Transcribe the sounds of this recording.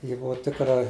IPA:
ˈjɪ ˈbʊʋoː ˈtʲɪkrɐ

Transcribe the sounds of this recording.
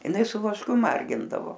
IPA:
ɪˈnɐɪ sʊ ʋɐʃˈkʊ ˈmɐrʲɡʲɪndɐʋoː

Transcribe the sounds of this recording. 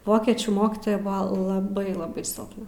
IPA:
ˈʋoːkʲiɛt͡ʃʲuː ˈmoːkʲɪtoːjɛ ˈbʊʋɐ lˠɐˈbɐɪ lˠɐˈbɐɪ sʲɪlˠpˈnɐ

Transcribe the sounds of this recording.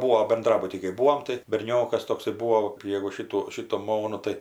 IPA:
ˈbuːoː bʲɛnˈdrɑːbʊtʲiː kɐɪ ˈbuːoːm tɐɪ bʲɛrʲˈnʲoːkɐs ˈtoːksɐɪ ˈbuːoː jɛɡʊ ˈʃʲɪtuː ˈʃʲɪtuː ˈmoːnuː ˈtɐɪ

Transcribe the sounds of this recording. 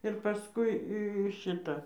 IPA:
ɪr pɐˈskʊɪ ɪ ˈʃʲɪtɐ

